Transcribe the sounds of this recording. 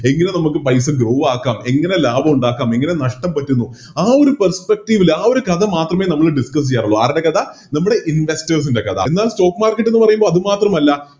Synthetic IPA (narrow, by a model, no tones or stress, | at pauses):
e̞ŋːɐnenɐmukːɨpɐjs̬ɐɡɾo̞ːʋaːkːaːme̞ŋːɐne̞laːbʱɐmuɳɖaːkːaːmeŋːɐne̞nɐʂʈɐmpɐtːunːu | aːo̞ɾupɐrspek̚ʈiʋilaːo̞ɾukɐðʱɐmaːt̪rɐmeːnɐmːɐɭɖiskɐs̬ijːaːɾuɭːoaːɾinde̞kɐd̪ɐnɐmːuɽe̞ʔinʋe̞stɐrs̬inde̞kɐd̪ʰʱɐ̰enːaːlsto̞ːkːmaːrkːɐʈːenːɨpɐrɐjumboːɐðumaːt̪rɐmɐlːɐ